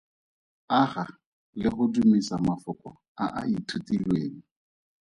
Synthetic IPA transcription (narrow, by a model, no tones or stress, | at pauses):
aχa | lɪχʊdumisamafʊkɔ̰ | aʔa̰itʰutilweːŋ̩